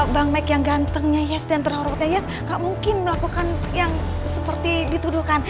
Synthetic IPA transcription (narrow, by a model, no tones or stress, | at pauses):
baŋmakjaŋɡant̪əŋɲajɛsdant̪ərhaɾpɔt̪̚ɲajɛs | ŋɡaʔmuŋkɪnməlakukanjaŋsəpərt̪idit̪uduhkan